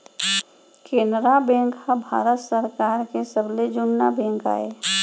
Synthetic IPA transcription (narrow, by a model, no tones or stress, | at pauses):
keːndɾabɛ̃ŋkhabʱa̰ːɾət̪səɾkaːɾkesəbled͡ʒʊnːabɛ̃ːŋka̰ːe